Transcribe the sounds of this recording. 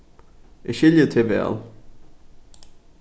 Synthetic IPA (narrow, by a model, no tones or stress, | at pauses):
ɪʃɪljət̪ʰevɛ̰ːlˠ